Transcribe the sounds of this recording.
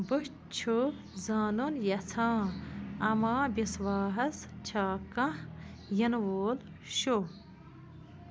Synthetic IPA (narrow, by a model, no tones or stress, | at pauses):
buɕ | t͡ʃʰu | zaːnunjɐt͡sʰãːɐmãːbiswaːɦɐst͡ʃʰaːkɐ̃ | jɐnwoːl | ɕo